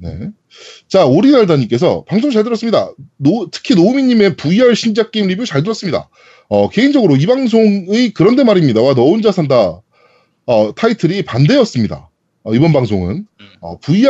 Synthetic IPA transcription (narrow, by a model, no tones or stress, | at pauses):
ne̞̰ | t͡ɕaoɾinaɭdaɲik͈e̞sʰʌpaŋsʰoŋt͡ɕaɭdɯɾʌs͈ɯmɲida̰notʰɯ̥kʰinoumiɲːime̞puiɦaɭɕʰind͡ʑak͈eimɾibjut͡ɕaɭdɯɾʌs͈ɯmɲida̰ | ʌke̞ind͡ʑʌɡɯɾoibaŋs̬ʰoŋekɯɾʌnde̞maɾimɲidawanʌɯnd͡ʑasʰanda | ʌtʰaitʰɯɾipande̞ʌs͈ɯmɲida̰ | ʌibʌnbaŋsʰoŋɯ̰nʌ̰pui